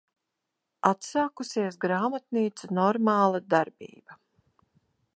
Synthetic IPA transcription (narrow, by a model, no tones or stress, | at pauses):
at̪saːkusiɛs̬ɡɾaːmat̪̚niːt̪sunɔɾmaːlˠad̪aɾbḭːb̥a